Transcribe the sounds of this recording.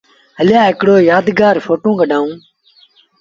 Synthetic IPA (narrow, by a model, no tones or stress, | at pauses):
ɦəljaːɦɪkɽoːjaːd̪ɡaːɾfoːʈõːɡəɖʱãːũː